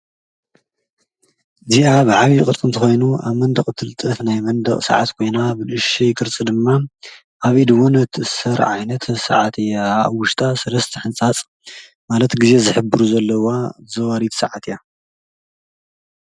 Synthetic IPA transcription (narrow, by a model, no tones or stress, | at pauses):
ziʔaβɨʕaβijkʼɨt̪ʼɨnt̪ʰɨxo̞jnuaβmɐnd̪ɐχʼt̪ʰɨlɨt̪ʼɐt̪najmɐnd̪ɐχʼsɐ̰ʕat̪kʰo̞jnabɨlɨʃijkʰʼɨɾt͡sʼɨd̪ɨmːa | ʔaβid̪ɨwunɐt̪ʰɨʔɨsɐɾʕajnɐt̪ʰsa̰ʕat̪ʰɨjaβwʊʃt̪ʰʼasɐlɐst̪ʰɨħɨnt͡sʼat͡sʼ | malɐt̪ɡize̞zɨħɨbɨɾuzɐlːɐwazɐwaɾit̪sɐʕat̪ja